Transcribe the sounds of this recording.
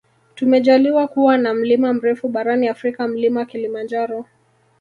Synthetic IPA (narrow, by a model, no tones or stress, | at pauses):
tumɛʄaliwakuwanam̩limam̩ɾɛfuɓaɾaniafɾikam̩limawakilimand͡ʒaɾɔ